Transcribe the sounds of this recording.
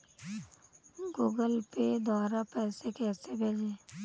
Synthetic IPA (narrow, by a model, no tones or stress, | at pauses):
ɡuːɡəlped̪aːɾapɛːsekɛːsebʱeːd͡ʒeː